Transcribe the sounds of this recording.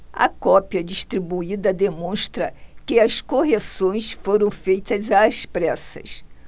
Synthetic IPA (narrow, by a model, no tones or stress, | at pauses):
ɐ̰kɔpiɐd͡ʒiʃt̪ɾibuid̪ɐd̪emõʃt̪ɾɐkɪɐskoɦesõj̃sfoɾɐ̃w̃fejt̪ɐzaːspɾɛsɐ̰s